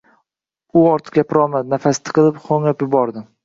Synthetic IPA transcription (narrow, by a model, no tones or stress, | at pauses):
ʊɒɾt̪ʰɪ̥ɡʲapʰɾɒmad̪nafast̪ʰɪ̥qɨlˠɪpχʰoŋapjʊbɒɾd̪ɪ